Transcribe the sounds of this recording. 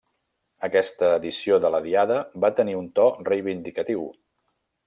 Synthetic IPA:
əkɛst̪əːðisioðələðiaðəbat̪əniunt̪ɔrəjβind̪ikət̪iw

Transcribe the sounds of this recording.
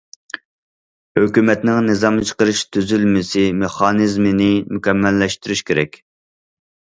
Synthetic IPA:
høkʲymɛt̪nɪŋnɨzɑmt͡ʃʰə̥qəɾɨʃt̪ʰyzylmɪsɪmeχɑnɨzmɪnɪmukʲɛmːɛlːɛʃt̪yɾyʃkʲʰeɾɛkʲ

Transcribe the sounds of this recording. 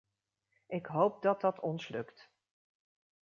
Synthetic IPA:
ʔɪkɦowp̚dɑt̚dɑtʰɔnslɵkt

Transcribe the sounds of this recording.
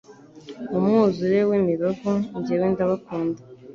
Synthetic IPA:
umŋuːzuɾewimiɾoɡoɲɟeweːndaβakuːnda

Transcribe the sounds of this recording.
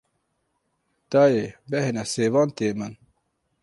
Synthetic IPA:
t̪aːjebehenɐseːwɑːnt̪eːmɐn

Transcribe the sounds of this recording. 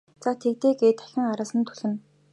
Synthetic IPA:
t͡sat̪ʰek̚t̪eːɡeːt̪æ̥xʲɪ̆ŋaɾaːsə̆nt̪ʰu̥ɮɘ̆n

